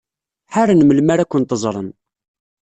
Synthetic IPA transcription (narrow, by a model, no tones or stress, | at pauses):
ħaɾanməlmaɾækʷːənt̪əzˤɾˤə̰n